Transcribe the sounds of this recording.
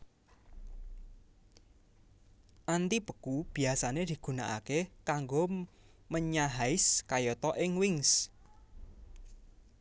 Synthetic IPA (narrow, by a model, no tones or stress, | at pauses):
ʔant̪ipəkub̥i̤asaned̪̥i̤ɡ̥ṳnaʔa̰kekaŋɡoməɲaɦaɪskajɔt̪ɔʔɪŋwɪŋs